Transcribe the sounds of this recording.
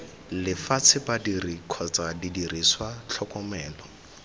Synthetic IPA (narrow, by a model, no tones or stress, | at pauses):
lɪfat͡sʰɪbadirikʰɔt͡sʼadidiriswat͡ɬʰɔkʼɔmɛːlɔ